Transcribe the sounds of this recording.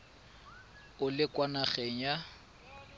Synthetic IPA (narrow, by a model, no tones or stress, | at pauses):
ʊlɪkʼwanaχɛŋ̩ja